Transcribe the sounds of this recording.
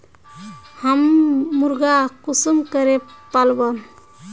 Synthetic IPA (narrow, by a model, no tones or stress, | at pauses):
həmːuɾɡakusumkəɾepalbə